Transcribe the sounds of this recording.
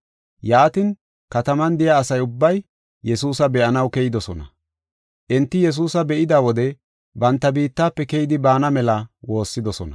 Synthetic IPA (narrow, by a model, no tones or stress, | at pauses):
jaːt̪ɪn | kɐt̪ɐmɐnd̪ɪjaːsɐjʊbːɐj | jɛsuːsɐbɛʔɐnɐwkɛjɪd̪ɔsɔnɐ̰ | ʔɪnt̪ːɪjɛs̬uːsɐbɛʔɪd̪aːwɔd̪ɛ | bɐnt̪ːɐbiːt̪ːaːpːɛkɛjɪd̪ɪbaːnɐmɛlɐwo̞ːsːɪd̪ɔsɔ̰nɐ̰